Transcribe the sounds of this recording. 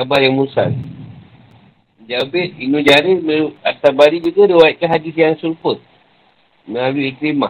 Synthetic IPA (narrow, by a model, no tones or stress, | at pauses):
abarjaŋmusa̰l | d͡ʒabet̪̚inũd͡ʒaɾeməat̪abaɾid͡ʒuɡaɾiwait̪̚kaɦadisjaŋsulpət̪̚ | mə̃laluikɾima